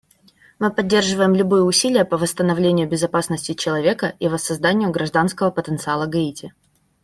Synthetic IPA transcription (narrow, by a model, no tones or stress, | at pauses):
mɨpɐdʲːerʐɨvəjɪmlʲʊbɨjəʊsʲilʲɪjəpəvəst̪ənɐvlʲenʲɪjʊbʲɪzɐpasnəsʲtʲɪt͡ɕɪlˠɐvʲe̞kəʔivəsːɐzd̪anʲɪjʊɡɾɐʐd̪anskəvəpət̪ənt̪sɨalˠəɡɐitʲɪ